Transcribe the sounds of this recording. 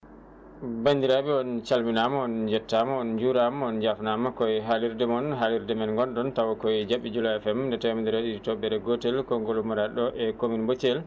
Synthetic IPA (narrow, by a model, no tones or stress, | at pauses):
band̪iɾabiɔnt͡ʃalminamɔɔnd͡ʒɛtːamɔɔnd͡ʒuɾamɔɔnd͡ʒafnamakɔjɦaliɾdɛmɔnɦaliɾdɛmɛnŋɡɔnɗɔntawɔkɔjd͡ʒaɓːid͡ʒulaɛfɛmndɛtamand̪iɾaɗiitɔbɛɾɛɡotɛlkɔŋɡolumuɾaɗɔʔɛkominbot͡ʃɛl